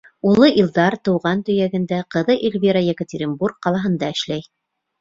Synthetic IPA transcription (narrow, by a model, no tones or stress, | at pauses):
ulˠɤʔilˠd̪ɑɾt̪ɤ̆wʁɑnt̪ɵ̆jæɡɘ̆nd̪æqɤ̆ðɤʔilʲβʲiɾajekətʲɪɾʲinburk̚qɑlˠɑɦɤ̆nd̪ɑɘ̆ʃlæj